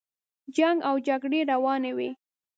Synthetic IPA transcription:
d͡ʒaŋɡawd͡ʒaɡɽeɾawɑnewe

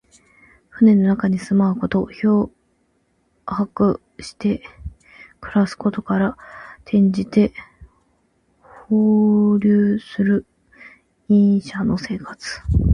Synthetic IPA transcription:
ɸɯ̟ne̞no̞nakaɲ̟isɨmaɯ̟ko̞t̪o̞ço̞ː | hakɯ̟ | ɕi̥t̪e̞ | kɯ̟ɾasɨ̥ko̞t̪o̞kaɾat̪ʰẽ̞ɲ̟d͡ʑit̪e̞ | hoːɾʲɨːsɨɾɯ̟ | ĩɰ̃ɕano̞se̞ːkat͡sɨ̥

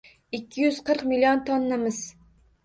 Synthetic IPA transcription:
ikʲʰːijyz̥qʰəɾqmilijont̪ʰonːamɨz̥

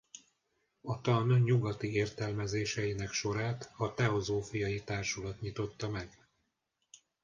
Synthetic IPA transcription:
ɒt̪ɒnɲuɡɒt̪ieːrt̪ɛlmɛzeːʃɛjinɛkʃo̞ɾaːt̪ɒt̪ɛo̞zoːfijɒjit̪aːrʃulɒt̪ɲit̪o̞t̪ːɒmɛɡ

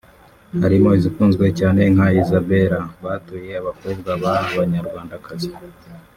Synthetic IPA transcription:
haɾimo̞izikuːnzɡwe̞caːne̞ŋ̥haizabe̞ɾaβaːtuje̞aβakobɡaβaːβaɲaɾɡwaːndakazi

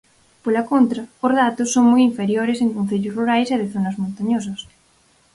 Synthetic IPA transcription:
polɐkont̪ɾɐozðat̪ʊsːoŋmɔjiɱfeɾjoɾeseŋkõn̟θeʎʊsruɾajseðɪθonɐzmõnt̪aɲos̬ɐs

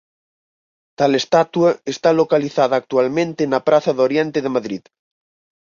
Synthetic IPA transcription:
t̪alest̪at̪uaest̪alokaliθaðaːk̚t̪ualmẽnt̪enapɾaθaðoɾjent̪eðemaðɾið

